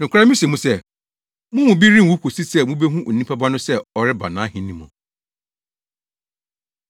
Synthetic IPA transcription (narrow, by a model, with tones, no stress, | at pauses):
nɪ̃˨kʰʷa˦mĩ˦se˨mũ˦sɛ˦˨ | mʊ̃˦mʊ̃˨bi˦ɾĩ˦˨wu˨˦kʰo˨si˦sɛ˦˨mũ˦be˦ɦũ˦ʔo˨ĩ˦pʰa˦ba˦nʊ̃˦sɛ˦ɔ˨ɾɪ˦ba˨nãː˨˦hĩ˨nĩ˦mɔ̰̃˨